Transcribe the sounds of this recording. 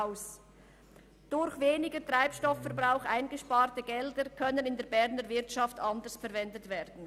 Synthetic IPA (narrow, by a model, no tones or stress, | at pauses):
ʊs | d̥ʊɾçveːnɪɡətʁ̥aɪpʃtɔfːɛʁbʁaʊxʔaɪnɡəʃpaːʁtəɡɛldəkʰœnənɪndeːɐbɛʁnəvɪʁtʃɑftɑndəsfɛɾvɛndətv̥ɛːd̥n̩